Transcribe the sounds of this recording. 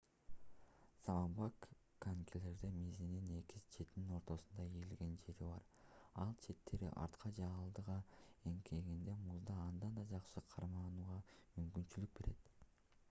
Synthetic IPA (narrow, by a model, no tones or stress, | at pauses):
sɑmɑmbɑkːaŋkʲʰele̞ɾd̪emezinine̞kizt͡ʃʰe̞t̪nino̞ɾt̪o̞sund̪ɑijilɡe̞nt͡ʃe̞t̪iβɑ̰ɾ | ɑlˠt͡ʃʰe̞t̪ːe̞ɾḭʔɑ̰ɾt̪qʰɑd͡ʒɑlˠd̪ɯʁɑeŋkʰe̞ɡind̪e̞muzd̪ɑːnd̪ɑnd̪ɑd͡ʒɑqʃɯqʰɑɾmɑnuːʁɑmymkynt͡ʃylyk̚be̞ɾe̞t̪